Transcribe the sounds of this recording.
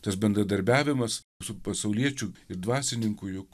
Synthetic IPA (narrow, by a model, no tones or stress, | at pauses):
t̪ɐsbʲɛnd̪ɾɐd̪ɐɾʲbʲæːʋʲɪmɐs | sʊpɐsɐʊlʲiɛt͡ʃʲʊɪɾd̪ʋɑːsʲɪnʲɪŋkʊjʊk